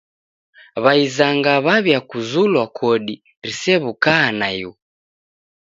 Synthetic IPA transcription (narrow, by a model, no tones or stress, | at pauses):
βaizaŋɡaβaβjakuzulwakʰɔɗi | ɾisɛβukaːnaju